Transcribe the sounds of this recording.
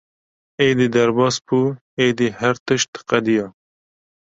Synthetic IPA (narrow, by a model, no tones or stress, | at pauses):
eːd̪id̪ɐɾbɑːspu | eːd̪ihɐɾt̪ɨʃt̪qɐd̪ijɑː